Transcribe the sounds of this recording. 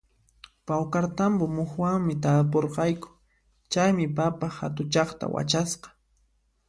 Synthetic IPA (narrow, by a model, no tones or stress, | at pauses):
pawkaɾt̪ambomʊxwaŋmɪt̪ap̬oɾqɑjkʊ̥ | t͡ʃajmɪpapaxat̪ʊt͡ʃɑχt̪a̰wa̰t͡ʃasqɑ̥